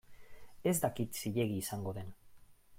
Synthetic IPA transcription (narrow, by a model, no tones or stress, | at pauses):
e̞zd̪akit̪siʎe̞ɣiːsaŋɡo̞ðe̞n